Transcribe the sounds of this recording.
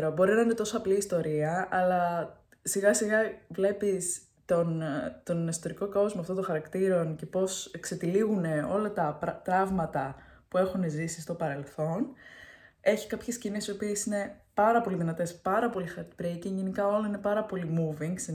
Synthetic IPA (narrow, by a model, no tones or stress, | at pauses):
ɾobo̞ɾinɐine̞t̪o̞soɐpliːst̪o̞ɾiɐɐlɐ | siɣɐsiɣɐvle̞pis | t̪ont̪o̞nist̪oɾiko̞ko̞zmoɐft̪ot̪õxɐɾɐkt̪iɾo̞nce̞po̞sekse̞t̪iliɣune̞o̞lɐt̪ɐt̪ɾɐvmɐt̪ɐ | pue̞xunezisi̥st̪o̞pɐɾe̞lθo̞n | e̞çi̥skɐpçe̞scinisio̞piesine̞pɐɾɐpo̞liðinɐt̪e̞spɐɾɐpo̞lixɐɾt̪pɾeciʝenikɐo̞lɐinepɐɾɐpo̞limuviŋɡs